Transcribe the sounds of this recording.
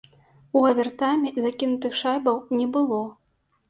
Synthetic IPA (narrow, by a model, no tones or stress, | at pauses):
uɐvʲɛrt̪amʲizakʲinut̪ɨxʂajbɐwnʲɛbɨlˠɔ